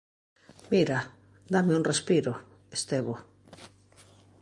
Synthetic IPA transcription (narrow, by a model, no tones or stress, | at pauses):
miɾa | d̪amɪunrespiɾʊ | est̪eβʊ